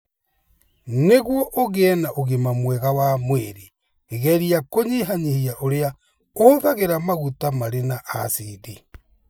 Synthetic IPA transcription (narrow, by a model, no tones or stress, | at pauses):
neɣwɔʔoɣeːnaʔoɣemamwɛɣawamweɾeː | ɣɛɾiakoɲeɦaɲehiaʔoɾea | oðaɣeɾamaɣutamaɾenaʔa̰side